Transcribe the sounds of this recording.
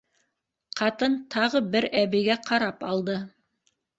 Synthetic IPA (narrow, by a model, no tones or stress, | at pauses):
qɑt̪ɤnt̪ʰɑʁɤbɘɾæβɘ̆jɡæqʰɑɾɑpɑlˠd̪ɤ